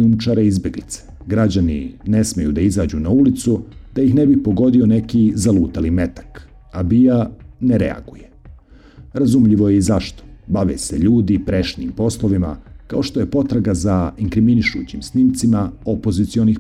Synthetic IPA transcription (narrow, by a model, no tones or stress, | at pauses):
umt͡ʃaɾeizbʲje̞ɡlḭt̪se̥ | ɡɾad͡ʑanḭne̞smejṵd̪aizaːd͡ʑunaulit̪sud̪̥ajixne̞bipo̞ɡo̞d̪io̞ne̞kizaluːt̪alime̞t̪ḁk | abianeɾḛa̰ɡuje | ɾazumʎiʋo̞je̞izaʃt̪o̥baʋeseʎuːd̪ipɾe̞ʃnḭːmpo̞slˠoʋima̰kao̞ʃt̪o̞je̞po̞t̪ɾaɡazaiŋkɾiminiʃṵt͡ɕimsnimt̪simaopozit̪sio̞nix